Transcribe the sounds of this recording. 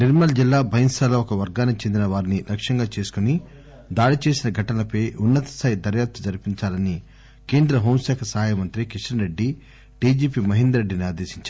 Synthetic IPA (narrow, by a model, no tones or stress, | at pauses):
niɾmɐld͡ʒilːaːbʱɐjɐŋsaːlɐɔkɐʋɐɾɡaːnikt͡ʃend̪inɐʋaːɾinilʔɐkʂɐŋɡaːt͡ʃe̞ːsu̥kuni | d̪aːɽit͡ʃe̞ːsinɐɡʱɐʈɐnlɐpɐjʔunːɐt̪ɐ̥saːjd̪ɐɾjaːp̚t̪ɐd͡ʒɐɾpiɲt͡ʃaːlɐni | ke̞ːnd̪ɾɐɦoːmsɛːkʰɐsɐɦaːjɐmɐnt̪ɾikiʂʈɐnɾe̞ɖːi | ʈiːd͡ʒiːpiːmɐɦind̪ɐɾeɖːiniaːd̪e̞ːʃiɲt͡ʃaː